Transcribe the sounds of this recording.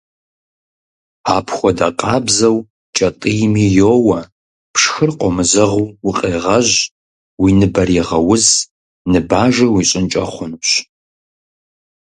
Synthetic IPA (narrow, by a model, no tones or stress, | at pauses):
aːpʰxʷɔdaqʼɑːbzɐw | t͡ʃʼɐtʼijmiːjoːwɐ | pʰʂxɨrqʷʼɔmɨzɐʁuwʊqʼeːʁɐʑ | winɨbɐriʁɐwʊz | nɨbaːʒɐwiɕʼɪnt͡ʃʼɐχʷʊnɕ